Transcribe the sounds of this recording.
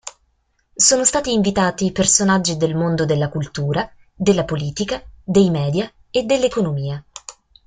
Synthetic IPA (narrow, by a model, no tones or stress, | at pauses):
soːnost̪aːt̪iːɱvit̪aːt̪iːpersonad͡ʒːid̪elmond̪od̪elːakult̪uːɾa | d̪elːapoliːt̪ikad̪ejmɛːd̪ja | ed̪ːelːekonomiːa